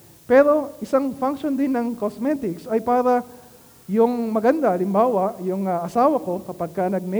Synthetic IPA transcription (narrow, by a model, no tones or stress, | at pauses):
pɛɾo̞ʔɪsaŋfaŋkʃond̪ɪnːɐŋkosmɛt̪ɪksɐjpaːɾɐ | jʊŋmɐɡɐnd̪aʔɐlɪmbaːwɐʔjʊŋɐʔɐsaːwɐko̞kɐpɐɡ̚kɐnɐɡ̚mɛ